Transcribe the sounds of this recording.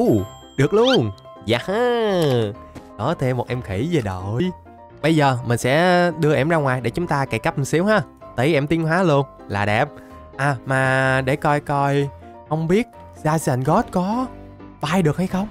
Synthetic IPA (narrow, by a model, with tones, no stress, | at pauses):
ʔu˨˧˩ | ɗɨ˨˩ək̚lu˧ən | zaː˨˧˩haː˧ | ɗɔ˨˦t̪ʰe˧mːo˨˩t̚ʔɛ˧mxi˧˩ze˨˩ɗo˨˩j | ɓə˧jzəː˨˩mï˨˩ŋsɛ̰˧˥ɗɨ˧əʔɛ˧˩mzaː˧ŋwaː˨˩jɗḛ˧˩t͡ɕʊ˨˦ŋ͡mt̪aː˧ke˧˨˩ka˦˥p̚m˨˩si˨˦əwhaː˨˧˩ | t̪ə˨˦jʔɛ˧mt̪i˨˦nɦwaː˨˦lu˧ən | la̰ː˨˩ɗɛ˨˩p̚ | ʔaː˨˩maː˨˩ɗe˧˩kɔ˧jkɔ˧j | xə˧wŋ͡mɓi˦˥ət̚ | zaː˧zɛ˧˩nɣɔ˦˥t̚kɔ˨˦ | ɓaː˧jɗɨ˨˩ək̚ha˧jxə˧wŋ͡m